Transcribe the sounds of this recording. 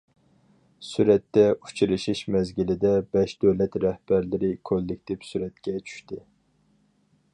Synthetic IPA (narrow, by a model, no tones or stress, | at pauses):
syɾɛt̪ːɛu̥t͡ʃʰiɾɨʃiʃmɛzɡʲilɪd̪ɛbɛʃd̪øwlɛt̪ɾɛhb̥æɾlɪɾɪkʰølːɪk̚ʲt̪ɪpsyɾɛt̪kʲɛt͡ʃʰy̥ʃt̪ɪ